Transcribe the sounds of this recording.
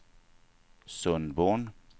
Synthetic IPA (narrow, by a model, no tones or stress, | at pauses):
sɵnd̪boːɳ